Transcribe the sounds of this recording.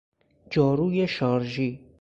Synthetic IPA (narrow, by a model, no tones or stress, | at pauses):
d͡ʒɒːɾuːjeʃɒːɾʒiː